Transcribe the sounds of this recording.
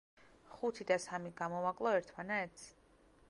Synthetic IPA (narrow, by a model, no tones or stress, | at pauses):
χut̪ʰid̪asamiɡamɔvakʼlˠɔɛɾt̪ʰmanɛt̪sʰi̥